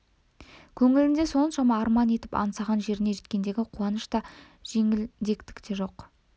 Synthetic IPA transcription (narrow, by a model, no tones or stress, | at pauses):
kʲʰɵŋɪlɪnd̪e̞so̞nʃɑmɑːɾmɑne̞t̪ɪ̥pɑ̰nsɑʁɑnʒe̞ɾɪne̞ʒe̞t̪kʲe̞nd̪e̞ɡʲɪqʰuɑnəʃt̪ɑ | ʒ̥e̞ŋɪld̪e̞kt̪ɪ̥kt̪e̞ʒo̞q